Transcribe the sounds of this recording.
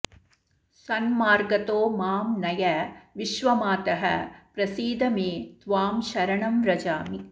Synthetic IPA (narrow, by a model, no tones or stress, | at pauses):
sɐnmaːɾɡɐt̪oːmaːmnɐjɐʋiʃʋɐmaːt̪ɐɦɐ̰pɾɐsiːd̪ɐmeːt̪ʋaːmʃɐɾɐɳɐmɾɐd͡ʒaːmi